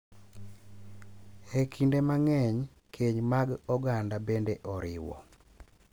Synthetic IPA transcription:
ekʰindemaŋɛɲ | kʰeɲmaɡɔɡandabendeʔɔɾɪwɔ̰

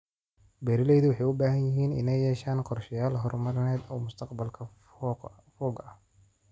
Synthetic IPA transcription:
bɛɾɪlɛjðʊwɑħɑjʊbaːɦɐnjɪɦiːnɪ̰nɛjːɛːʃaːnqɔrʃɐjaːlɦɔrmɐɾnɛːd̪ɔːmʊst̪ʰɐqbɐlkʰɐ | fɔːɡɐh

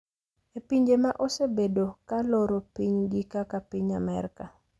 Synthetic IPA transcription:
epiɲd͡ʒemaʔosebedokaloɾopiɲɡikakapiɲamɛɾka

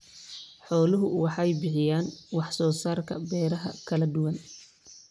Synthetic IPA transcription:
ħɔːlʊɦʊwɑħɑjbɪħɪjaːnwɑħsɔːsaːrkʰɐ̰bɛːɾɐɦɐ̰kʰɐlɐd̪ʊwɐn

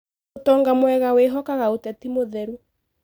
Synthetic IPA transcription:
tɔːŋɡamwɛɣaweɦɔkaɣaotɛtimoðɛɾu

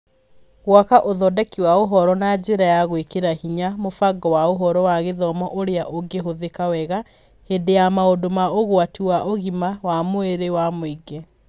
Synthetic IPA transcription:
ɣwakaʔoðɔdɛkiwaoɦɔɾɔnad͡ʑeɾajaɣwekeɾahiɲamofaɡɔwaoɦɔɾɔwaɣeðɔmɔʔoɾeaʔoɡeɦoðekawɛɣa | hendejamaodomaoɣwatiwaʔoɣimawamoeɾewamoiɡɛ

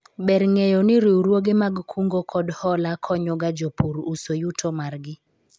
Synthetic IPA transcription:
bɛɾŋejonɪɾiwɾwoɡemaɡkʰuŋɡokʰɔdhɔlakʰɔɲɔɡad͡ʒopuɾusojutʰomarɡɪ

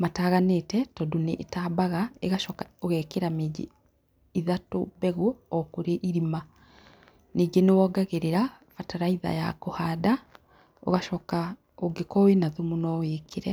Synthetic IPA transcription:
mataːɣanetɛtɔdoneʔːtaːbaɣaeɣaʃɔkaoɣɛkeɾameɟḛ | iðatobɛɣoɔkoɾeʔiɾima | neːɡenewɔːɡaɣeɾeɾa | fataɾaiða̰ja̰kohaːda | o̰ɣaʃɔka | oɡekɔwenaðumunɔweːkʰeɾɛ

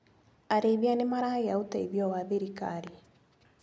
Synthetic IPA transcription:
aɾeːβianemaɾaeautaiðjɔwaðeɾika̰ɾi

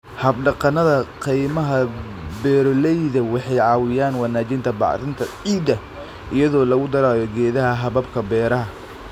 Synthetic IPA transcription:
hɐbɖɑqɑnɐðɐqijmɐɦɐ | bɛːɾɔlɛjðɐwɑħɑjʕɑːwɪjaːnwɑnaːt͡ʃɪnt̪ʰɐbɑ̰ʕɪnt̪ʰɐʕiːd̪ɐ | ʔɪjɐðɔːlɐɣʊd̪ɐɾaːjɔɡɛːðɐɦɐɦɐβɐbkʰɐbɛːɾɐɦɐ

